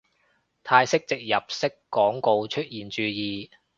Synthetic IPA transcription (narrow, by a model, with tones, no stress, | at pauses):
t̪ʰaː˧jsɪ˥k̚t͡sɪ˨k̚jɐ˨˩p̚sɪ˥kːɔː˨˥ŋko˧wt͡ʃʰɵ˥t̚jiː˨nt͡ʃyː˨˧jiː˨˧